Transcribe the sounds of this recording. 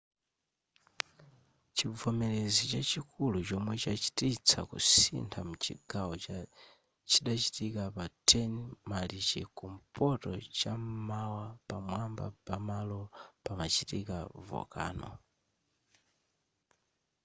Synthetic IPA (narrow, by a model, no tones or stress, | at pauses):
t͡ʃivɔmɛlɛzit͡ʃat͡ʃikulut͡ʃɔmwɛt͡ʃat͡ʃi̥tit͡sʰa̰kṵsḭntʰamut͡ʃḭɡawɔa | t͡ʃiɗat͡ʃi̥tikapatʰɛnmalit͡ʃḭkum̩pɔtɔt͡ʃam̩mawapamwamba̰pamalɔpamat͡ʃitḭkavɔ̰ka̰ːnɔ̰